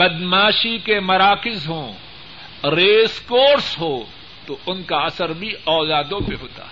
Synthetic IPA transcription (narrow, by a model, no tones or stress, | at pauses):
bɐd̪maːʃikemɐɾaːkɪzɦõː | ɾeːskoːɾsɦoː | t̪oʊnkaɐsəɾbʱiɔːlaːd̪õpeɦoːt̪a̰ːɦɛ